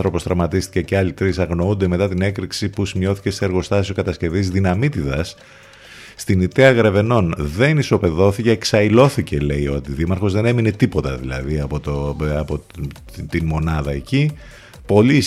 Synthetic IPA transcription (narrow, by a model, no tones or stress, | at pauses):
θɾo̞posθɾɐmɐt̪ist̪i̥ceceɐlit̪ɾisɐɣno̞und̪e̞me̞t̪ɐt̪ine̞kɾiksipusimjo̞θi̥ce̞seːɾɣo̞st̪ɐsiso̞kɐt̪ɐsce̞vizðinɐmit̪iðɐs | st̪init̪eɐɣɾe̞ve̞no̞nðe̞niso̞pe̞ðo̞θiceːksɐilo̞θice̞le̞io̞t̪iðimɐɾxo̞zðe̞ne̞mine̞t̪ipo̞t̪ɐ̰ðilɐ̰ðiɐpot̪oɐpo | t̪inmo̞nɐðɐe̞ci | po̞li